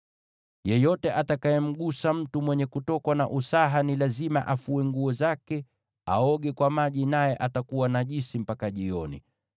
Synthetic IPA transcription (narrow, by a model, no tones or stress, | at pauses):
jɛjɔtɛʔatakaɛm̩ɠusam̩tumwɛɲɛkutɔkwanaʔusaɦanilazimaʔafuɛŋɡuɔzakɛ | a̰ɔɠɛkwamaʄinajɛʔatakuwanaʄisim̩pakaʄiɔnḭ